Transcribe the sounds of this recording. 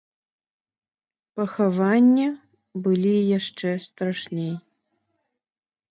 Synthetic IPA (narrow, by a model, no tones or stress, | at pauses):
pɐxavanʲːɐ | bɨlʲijaʂt͡ʂɛst̪ɾaʂnʲej